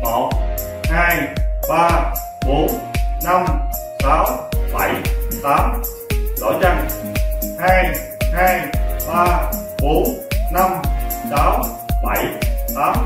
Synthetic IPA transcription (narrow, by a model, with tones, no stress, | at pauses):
mo˨˩t̚ | haː˧jɓaː˧ | ɓo˨˦nna˧m | saː˨˦wɓa˧˩jt̪aː˨˦m | ɗɔ̰˧˩˦t͡ɕa˧ŋ | haː˧j | haː˧jɓaː˧ɓo˨˦nna˧msaː˨˦w | ɓa˧˩jt̪aː˨˦m